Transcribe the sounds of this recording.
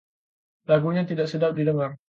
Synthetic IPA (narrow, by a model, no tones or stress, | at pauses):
laɡuɲãt̪idaʔsədap̚didəŋar